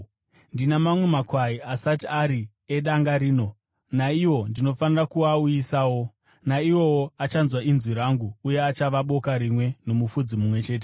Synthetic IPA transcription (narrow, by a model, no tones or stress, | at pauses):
ndinamamwe̞makwaiasatiaɾi | eɗaŋɡaɾiːno̞ | naiwo̞ndino̞fanirakuauisaːwo̞ | naiwo̞woat͡ʃanzwainzwiɾaŋɡuːje̞at͡ʃaʋaɓo̞kaɾimwe̞no̞mufud͡zimumwe̞t͡ʃe̞ːt̬e